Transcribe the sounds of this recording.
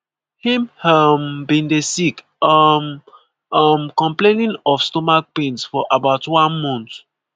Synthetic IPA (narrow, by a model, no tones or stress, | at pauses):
hĩmhambĩndesik | m | mkɔ̃mplẽnĩnɔfstomak̚pĩnsfɔʔabaʊtwãnmɔ̃nt